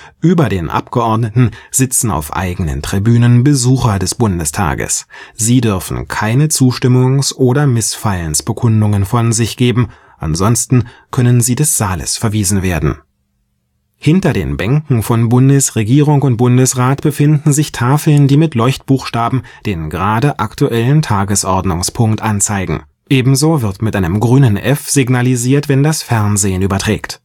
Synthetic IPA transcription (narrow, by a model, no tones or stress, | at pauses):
ʔyːbɐdeːnʔa̰pɡ̥əʔɔɐdnətn̩z̥ɪt͡sn̩a̰ʊfʔa̰ɪɡənə̰ntʁ̥ibyːnənbəzuːxɐdɛsb̥ʊndəstʰa̰ːɡə̰sz̥iːdʏɐfn̩kʰaɪnət͡suːʃtɪmʊŋsʔoːɾɐmɪsfaɪlənsb̥əkʰʊndʊŋənfɔnzɪçɡ̥eːbm̩ | ʔa̰nzɔnstn̩kʰœnənziːdɛsz̥aːlə̰sfɛɐviːzn̩veːɐdn̩ | hɪntɐdḛːnbɛŋkŋ̩fɔnbʊndəsʁeɡiːʁʊŋʊnt̚b̥ʊndəsʁaːtb̥əfɪndn̩zɪçtʰaːfl̩ndiːmɪtlɔʏçtb̥uːxʃtaːbm̩ | d̥eːnɡəʁaːdəʔaktuʔɛləntʰaːɡəsʔɔɐdnʊŋspʰʊŋktʔant͡saɪɡŋ̩ | ʔeːbm̩zoːvɪɐtmɪtʔaɪnəmɡʁyːnənʔɛfz̥ɪɡnaliziːɐtv̥ɛndasfɛɐnzeːənyːbɐtʁ̥ɛ̰ːkt